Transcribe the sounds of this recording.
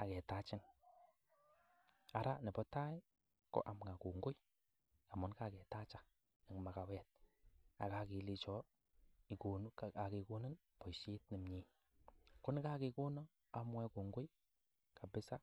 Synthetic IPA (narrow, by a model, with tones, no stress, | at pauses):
a̰˨kɛ˨ta˨˦t͡ʃɪ˦n | a˨˦ɾa˦nɪ˨bɔ˦ta˦j | kɔ̰˦ʔa˨mŋa˨ku˨ŋɡʊ˦j | ka˨mʊ˨˦nka˦˨kɛ˨ta˦t͡ʃa˦ | nɪ˨kma˨ka˨wɛ˦˨t̚a̰˨ka˨ki˨li˨t͡ʃɔ˨˦ | i˨ku˨n˦˨a˨ki˨ku˦nɪ˦n | pɔ˨ʃi˦tni˨mɲi˨˦ | kʊ˦n˦ka˦kɪ˨˧ku˦nɔ˦ | a˦mwɛ˦ku˨ŋɡʊ˦j | ka˨bɪ˦sa˦